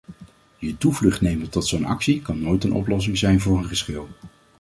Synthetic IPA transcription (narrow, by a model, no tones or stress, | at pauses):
jətuvlɵχtnejmətɔtsownɑ̰ksikɑnːojtənʔɔ̰plɔs̬ɪŋzɛjnvʊːɹənχəsχɪlˠ